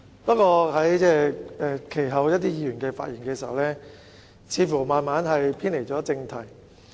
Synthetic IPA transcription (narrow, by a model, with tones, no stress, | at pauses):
pɐ˥kɔː˧hɐ˨˥jt͡sɛː˥˩ɛ˨˧kʰe˨˩jɦɐ˨˧wjɐ˥t̚t̪iː˥jiː˧jyː˨˩nkɛː˧fa̰ː˧t̚ji˨˩ŋkɛː˧siː˨hɐ̰˨˩wlɛː˥ | t͡sʰiː˨˧fuː˨˩maː˨nmaː˨˥nɦɐ˨jpʰiː˥nle˨˩jt͡ʃɔ˨˥t͡sɪ˧ŋt̪ʰɐ˨˩j